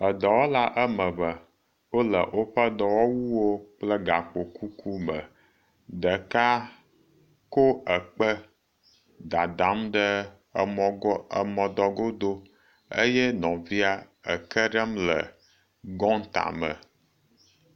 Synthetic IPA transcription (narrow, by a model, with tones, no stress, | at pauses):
ə˨d̪ə˨wo˦la˦ʔə˦mə̃˨bə˨ | wo˦lə̰˨ʔo˦ɸə˦d̪ɔ˨wɔ˦wu˦wo˦k͡plə˦ɡa˨k͡po˨ku˦ku˦mə˨ | ɖə˨ka˦ | ko˦ə˨k͡pə˦ | d̪a˨d̪a˨˦mɖə˦˨˦ | ə˨mɔ̃˨d̪ɔ˨ɡo˦d̪o˦ | ə̰˦jɛ˦nɔ̃˨vi˦a˦ | ə̰˨kə˦ɖə˦mlə̰˨ | ɡɔ̃˦n˦t̪a̰˨mə̰˨